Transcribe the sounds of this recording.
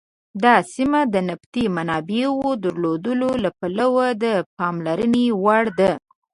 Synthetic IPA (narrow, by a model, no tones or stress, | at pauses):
d̪ɑsimad̪ənaft̪imanɑbewod̪əɾlod̪əlolapalawad̪əpɑmlaɾənewaɽd̪a